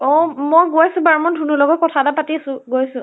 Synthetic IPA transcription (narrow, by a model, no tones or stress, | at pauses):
ɔmɔjɡoasʊ̃baɹmɔndʱunulɔɡɔt̚kɔtʰatapatiasʊ̃ɡoasʊ̃